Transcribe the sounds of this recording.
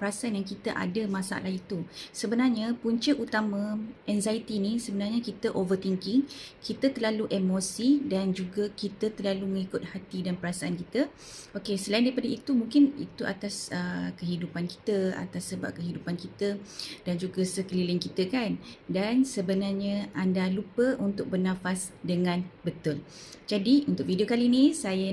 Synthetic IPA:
pəɾasaanjaŋkit̪əʔa̰dəmãsa̰a̰lahit̪usəbənarɲapuɲt͡ʃəʔut̪amãʔɛnzajt̪inisəbənarɲakit̪əʔovərt̪iŋkɪŋkit̪ət̪ərlaluʔemosidand͡ʒuɡakit̪ət̪ərlaluməŋikʊt̪̚hat̪idanpəɾasaːnkit̪ə | okesəlaĩndaɾipadait̪umũŋkɪnḭt̪uʔa̰t̪asəkəɦidupanki̥t̪əa̰t̪asːəba̰p̚kəɦidupankit̪ədand͡ʒuɡasəkəlilɪŋkit̪əkandansəbənarɲə̃andalupəʔunt̪ʊk̚bərnãfasdəŋãnbət̪ʊl | d͡ʒadiunt̪ʊk̚vidiokalinisajə

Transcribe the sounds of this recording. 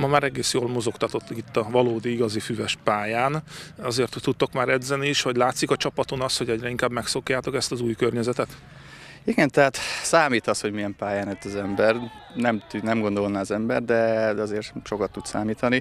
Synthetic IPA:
mɒmaːɾɛɡeːsjoːlmo̞zo̞kt̪ɒt̪o̞t̪ːit̪ːɒvɒloːd̪iiɡɒzifyvɛʃpaːjaːnɒzeːrt̪ːut̪ːo̞kmaːɾɛd̪zɛniːʃhɒɟlaːt̪sikɒt͡ʃɒpɒt̪o̞nɒsho̞ɟɛɟrɛiŋkaːbmɛkso̞kjaːt̪o̞kɛst̪ɒzuːjkørɲɛzɛt̪ɛt̪ | iɡɛnt̪ɛɦaːt̪saːmiːt̪ɒsho̞ɟmijɛmpaːjaːnɛt̪ːɒzɛmbɛr | nɛmt̪ynɛmɡo̞nd̪o̞lnaːzɛmbɛrd̪ɛd̪ɛɒzeːrʃo̞kɒt̪ːut̪saːmiːt̪ɒni

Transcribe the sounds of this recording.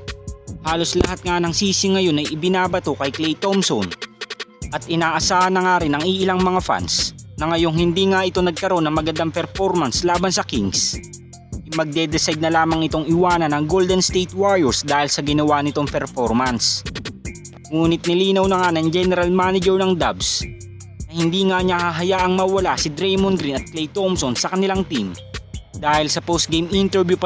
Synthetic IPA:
haːlo̞slɐ̰hat̪̚ŋanɐŋsiːsɪŋɐjo̞nɐjʔɪbɪnaːbɐt̪o̞kɐjklejt̪omson | ʔɐt̪̚ʔɪnaːʔɐsaːhɐnːɐŋaɾɪnɐŋɪʔɪlaŋmɐŋafa̰nsnɐŋɐjo̞ŋhɪnd̪iːŋaʔɪt̪o̞nɐɡ̚kɐɾo̞nɐŋmɐɡɐnd̪aŋpɛɾfo̞ɾmɐnslaːbɐnsɐkiŋɡs | ɪmɐɡ̚d̪ɛd̪ɛsajd̪̚nɐlaːmɐŋɪt̪o̞ŋɪwaːnɐnɐŋɡold̪ɛnst̪ejt̪waɾjɛɹsd̪aːhɪlsɐɡɪnɐwanɪt̪o̞ŋpɛɾfo̞ɾmɐns | ŋuːnɪt̪̚nɪliːnɐwnɐŋanɐŋd͡ʒɛnɛɾɐlmanɪd͡ʒɛɹnɐŋd̪abs | nɐhɪnd̪iːŋaɲahaɦɐjaːʔɐŋmɐwɐlasɪd̪ɾɛjmonɡɾinɐt̪̚klɛjt̪omsonsɐkɐnɪlaŋt̪imd̪aːhɪlsɐpost̪̚ɡejmʔint̪ɛɾvjup

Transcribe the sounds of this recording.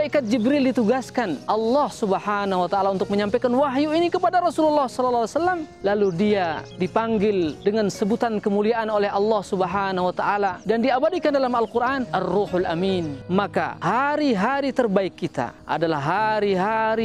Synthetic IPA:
daʔikat̪̚d͡ʒibɾildit̪uɡaskanʔɑlːɑhsubəhanaɦwat̪aʔalaunt̪ʊk̚məɲampekanwaɦjuinikəpadaɾɔsululːɑhsɔlalːawasalːam | laludiadipaŋɡɪldəŋansəbut̪ankəmuliaʔanolɛɦɑlːɑhsubəɦanahuwat̪aʔaladandiabadikandalamalkuɾʔanʔarːuħalʔa̰minmaka̰haɾiɦaɾit̪ərbaɪkːit̪a̰ʔa̰dalahɦaɾiɦaɾi

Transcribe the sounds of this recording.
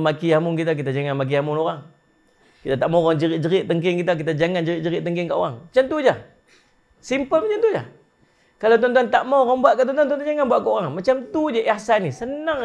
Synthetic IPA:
makiamʊŋk̬it̪ak̬it̪ad͡ʒaŋanmak̬iamʊnoɾaŋ | kit̪at̪aʔmawɣaŋd͡ʒəɾɪʔ̚d͡ʒəɾɪʔt̪əŋk̬ɪŋkit̪ak̬it̪ad͡ʒaŋand͡ʒəɾɪʔ̚d͡ʒəɾɪʔt̪əŋkɪŋkaʔoɣaŋmat͡ʃamt̪ud͡ʒa | simpəlmat͡ʃant̪ud͡ʒa̰ | kalawt̪̬ɔnt̪uant̪aʔmawɣaŋbuaʔkaʔt̪ɔnt̪uant̪uanud͡ʒaŋanbuaʔkaoɣaŋmat͡ʃamt̪ud͡ʒaʔiahsanisənaŋ

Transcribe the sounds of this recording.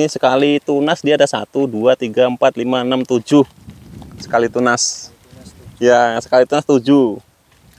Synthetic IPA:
isəkalit̪unasdiaːdasa̰t̪uduat̪iɡaəmpat̪limaənamt̪ud͡ʒʊh | sə̥kalit̪unas | jasə̥kalit̪unast̪ud͡ʒu

